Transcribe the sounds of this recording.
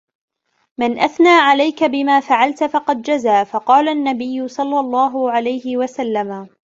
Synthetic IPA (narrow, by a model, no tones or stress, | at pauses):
manʔaθnaːʕalajkabɪmaːfaʕalt̪fɑqɑd̪̚d͡ʒazaːfɑqɑːlaʔnːabɪjːʊsˤɑlːɑlˤːɑːɦʊʕalajhɪwasalːama